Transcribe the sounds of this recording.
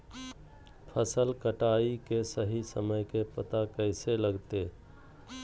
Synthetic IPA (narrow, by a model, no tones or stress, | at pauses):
pʰəsəlkəʈaːikesəɦisəməjkepət̪akɛɪseləɡt̪e